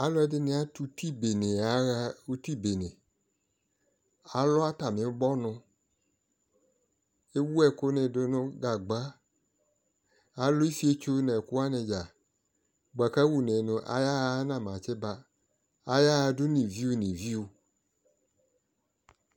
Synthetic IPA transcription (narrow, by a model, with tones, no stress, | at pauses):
a˨˦lɔ˦ɛ˦dɪ˦nɪ̃˨˦a˦tu˦ti˦be˨nɪ̃˨a˨˦ɣa˦u˦ti˦˨be˨nɪ̃˨ | a˦lɔ˦a˦ta˨mɪ̃˨˦ɡ͡bɔ˦nʊ̃˧ | e˦wu˦ɛ˦kʊ˦nɪ˨dʊ˨˦nʊ̃˦ɡa˨ɡ͡ba˦ | a˨˦lo˦i˦fi˦e˦t͡ʃo˦nɛ˨ku˦a˦nɪ˧d͡ʒa˨ | ɡ͡ba˨ka˦wu˨ne˨nʊ̃˨ʔa̰˨˦ja˦nã˨m˨ã˨t͡ʃɛ˦ba˨ | a˨ja˦˧dʊ˦nĩ˨vi˦u˦nĩ˨vi˦u˨